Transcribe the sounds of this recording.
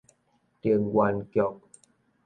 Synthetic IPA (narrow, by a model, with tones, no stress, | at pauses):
t̪i˧˩əŋɡwa˧nkjɔ˨˩k̚